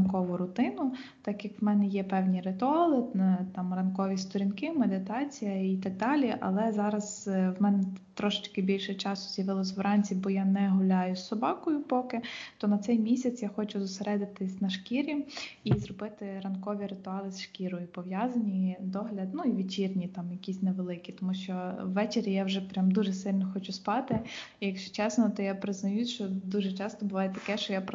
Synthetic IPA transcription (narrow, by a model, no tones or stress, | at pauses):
nkɔʋʊɾʊt̪ɪnʊt̪ɑkjɐkʋmɛnɛjɛpɛwnʲiɾɪt̪ʊɑlˠɪt̪ɑmrɐnkɔʋʲist̪ɔɾʲinkɪmed̪ɪt̪ɑt͡sʲijɐit̪ɐɡ̚d̪ɑlʲiʔɐ̰lˠɛzɑɾɐzwmɛnɛt̪ɾɔʃɪ̥t͡ʃkɪbʲilʲʃɛt͡ʃɑsʊzjɐʋɪlˠɔsʲʋɾɑnʲt͡sʲibɔjɑnɛɦʊlʲɑjʊsːɔbɑkɔjʊpɔkɪt̪ɔnɐt̪sɛjmʲisʲɐt̪sjaxɔt͡ʃʊzʊseɾɛd̪ɪt̪ɪsʲnɐʃkʲiɾʲimizrɔbɪt̪ɪɾɐnkɔʋʲiɾɪt̪ʊɑlˠɪsʃkʲiɾɔjʊpɔʋjazɐnʲid̪ɔɦlʲɐd̪nuiʋʲit͡ʃirnʲit̪ɑmjɐkʲisʲnɛʋelˠɪkʲit̪ɔmuʃt͡ʃɔwːɛt͡ʃeɾʲijawʒɛpɾʲamd̪uʒɛsɪlʲnɔxɔt͡ʃʊspɑt̪ɪijɐkʃt͡ʃɔ̥t͡ʃɛsnɔt̪ɔjapɾɪznɐjuʃt͡ʃɔd̪uʒɛt͡ʃɑst̪ɔbʊʋɑjet̪ɐkɛʃt͡ʃɔjap